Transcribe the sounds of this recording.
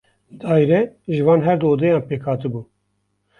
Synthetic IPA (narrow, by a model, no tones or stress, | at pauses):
d̪ɑːjɾɛʒɨvɑːnɦɛɾd̪oːd̪ɛjɑ̃ːnpeːkʰhɑːt̪ɨbuː